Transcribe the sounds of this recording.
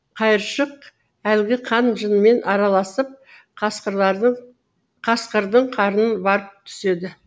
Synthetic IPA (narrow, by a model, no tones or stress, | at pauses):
qʰɑjəɾʃəq̚ | ælɡʲɪqʰɑnʒənəme̞nʔɑɾɑlˠɑsəp̪̚ | ɑɴ | qʰɑsqəɾd̪əɴqʰɑɾənənbɑɾəp̚t̪ʰʏ̥se̞d̪ɪ